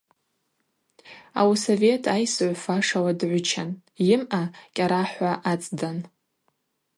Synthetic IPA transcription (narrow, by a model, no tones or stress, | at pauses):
a̰wsove̞tʰajsʕʷfaʂawadʕʷʊt͡ʃʰanjɪmʔakʲʼaɾaħʷaʔat͡sʼdan